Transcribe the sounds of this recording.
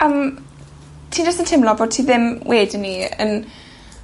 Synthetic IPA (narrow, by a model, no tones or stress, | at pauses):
əm | tʰiːndəstəntʰɪmlɔboːd̚tʰiːðɪmwʔeːdnːiə̰n